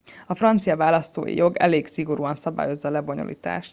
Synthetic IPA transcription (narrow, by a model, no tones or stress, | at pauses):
ɒfrɒnt̪sijɒvaːlɒst̪o̰ːjḭjo̞ɡɛ̰leːɡsiɡo̞ɾuːɒnsɒba̰ːjo̞zːɒːlɛboɲo̰lʔḭːt̪a̰ːʃt̪